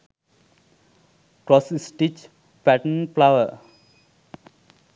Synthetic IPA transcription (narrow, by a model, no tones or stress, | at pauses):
kɾɔsisʈit͡ʃ | pæʈənplaʋəɾ